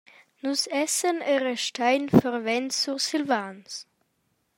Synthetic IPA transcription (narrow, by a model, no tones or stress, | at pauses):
nusɛsəniʁəʃtʰaɪnfɛʁvɛntt͡susɪlvaːns